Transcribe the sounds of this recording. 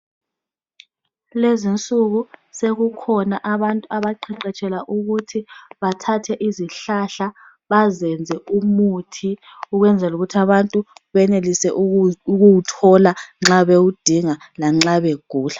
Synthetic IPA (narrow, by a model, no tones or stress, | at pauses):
lezint͡sʼuɣuseɣukʰɔnaʔaβantʼuaβaǃʰiǃɛt͡ʃʼɛlaʔuɣutʰiβatʰatʰɛʔiziɬaɬa | βazɛnd͡zʱɛumuːtʰi | uɣwɛnd͡zʱɛluɣutʰaβantʼuβɛnelisɛʔuɣuwutʰɔlaŋ͡ǁaβeud̥ʱiŋa | laŋ͡ǁaβeɡ̥ʱuːɬḁ